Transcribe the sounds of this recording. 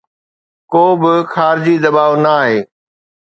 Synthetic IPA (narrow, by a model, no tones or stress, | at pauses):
koːbɪxaːɾɪd͡ʑid̪ɐbaːʋnɐːɦeː